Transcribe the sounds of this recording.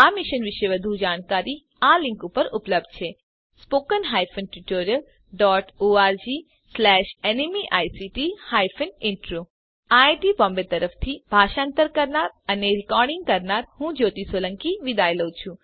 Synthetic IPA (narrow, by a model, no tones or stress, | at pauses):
amiʃənʋiʃeʋəd̪ʱud͡ʒaːɽ̃kaɾi | alĩŋkupəɾʊpləb̚d̪̚t͡ʃʰe | spoːkənɦajfənʈuʈoɾiəl | ɖɔʈoaɾd͡ʒi | slɛʃenimiʔajsiʈihajfʰənɪ̃ɳʈɾo | aʈipɔ̃mbet̪əɾəft̪ʰibʱaʃãnt̪əɾkəɾnaɾəneɾɪkɔɾɖɪ̃ŋɡkəɾnaɾhũd͡ʒoːt̪isolə̃ŋkiʋid̪ajləwt͡ʃʰũ